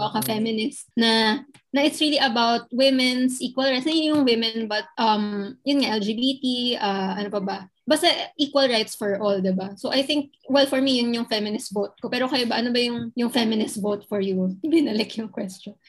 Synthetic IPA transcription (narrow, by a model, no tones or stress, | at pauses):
ɐkɐfɛmɪnɪst̪̚nɐ | nɐʔɪt̪sɹiliʔɐbawt̪̚wɪmɛnsʔiːkwɐlajt̪snɐjʊnjʊŋwɪmɛnbɐt̪̚ʔɐmjʊnŋaʔɛld͡ʒibit̪iʔaʔɐnopɐbɐ | bɐsɐʔiːkwɐlɹajt̪sfɔɹʔɔld̪ɪbasowʔɐjθɪŋk̚wɛlfɔɹmijʊnjʊŋfɛmɪnɪs̚bot̪̚kopɛːɾokɐjobɐʔɐnobɐjʊŋjʊŋfɛmɪnɪsbot̪̚fɔɹjubɪnɐlɛkjʊŋkwɛst͡ʃɔn